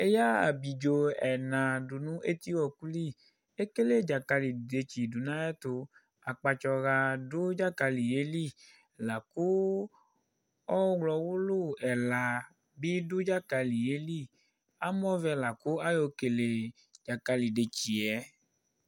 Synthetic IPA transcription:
e˦ja˦a̰˨bi˨d͡ʒo˧ɛ˨nã˨du˨nũ˦ʔe˦t̪i˦wɔ˨ku˦li˦˨ | e˦ke˦le˦˨d͡ʒa˨ka˧li˨de˨t͡ʃi˨du˨nã˦ɛ˦t̪o˧ | a˨k͡pa˧t͡ʃɔ˧ɣa˧du˦d͡ʒa˦ka˧li˨je˦li˦˨ | la˨ku˦ | ɔ˦wlɔ˨˧wu˦lu˦˨ɛ˨la˨ | bi˦du˦d͡ʒa˦ka˧li˨je˨˦li˦˨ | a˦mɔ˦vɛ˧la˨ku˦a˦jo˧ke˨le˨ | d͡ʒa˨ka˧li˨de˨t͡ʃi˨ɛ˨˦

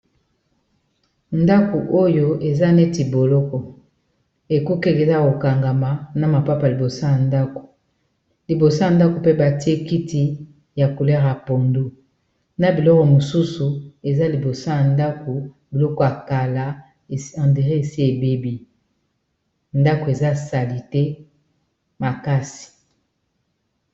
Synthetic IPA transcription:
nda˦ku˨ʔo˦jo˦e˨za˦ne˦ti˨bo˨lɔ˦kɔ˨ | e˨ku˦ke˦le˨za˦ko˨ka˨ŋɡa˨ma˨na˦ma˨pa˦pa˨li˨bo˨sa˦ja˨nda˦ko̥˨ | li˨bo˨sa˦a˨nda˦ko˨pe˦ba˨ti˦e˦ki˦ti˦ | ja˨ko˨le˦ʁa˨po˨ndu˦ | na˨bi˨lɔ˦kɔ˨mo˨su˦su˨e˨za˦li˨bo˨so˦ja˨nda˦ko˨ | bi˨lɔ˦kɔ˨a˨ka˨la˨˦ | ã˨nde˨ʁe˦e˨si˦e˨be˦bi˦ | nda˦ko˨e˨za˦˨sa˨li˨tɛ˦ | ma˨ka˦si̥˨

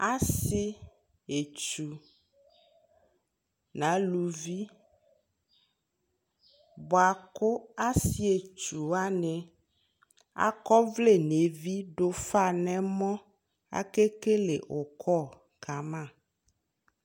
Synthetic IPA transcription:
a˦si˦ | e˨t͡ʃu˨ | nã˨˦lu˨vi˦ | bɔ˨a˨ko˦a˦si˦e˨t͡ʃu˨a˦nɛ̃˨ | a̰˦kɔ˦vle˦˨ne˨vi˦ɖo˦fa˦˨nɛ̃˦mɔ̃˦ | a̰˦ke˦ke˦le˨ʔo˨kʰɔ˦˨ | ka˨mã˦˨

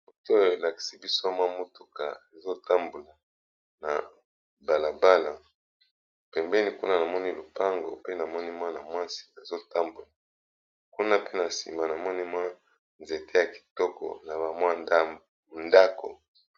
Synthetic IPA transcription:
bu˨to˦˨e˨la˨ki̥˨si˦bi˦so˦mwa˦mu˦tu˨ka̰˨e˨zo˦ta˦mbo˨la˨ | na̰˨ | ba˨la˨ba˦la˨ | pɛ˨mbɛ˦ni˦ku˦na˦na˨mɔ˦ni˦lo˨pa˦ŋɡo̰˨pe˦na˨mɔ˦ni˦mwa˦na˨mwa˦si̥˨na˨zo˦ta˦mbo˨la˨ | ku˦na˦pe˦na˨sḭ˨ma˨na˨mɔ˦ni˦mwa˦ | nze˨tʰe˦ja˨ki̥˨tɔ˦kɔ̰˨na˨ba˨mwa˦na˦ | nda˦ko˨

